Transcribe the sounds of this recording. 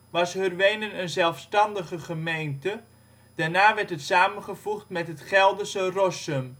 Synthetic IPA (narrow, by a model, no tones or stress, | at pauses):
ʋɑshørʋejnənənzɛlˠfstɑndəχəχəmejntə | d̥aɹnaːʋɛɹtɦətsaːmənχəvuχtmɛtɦətχɛlˠdəsərɔsəm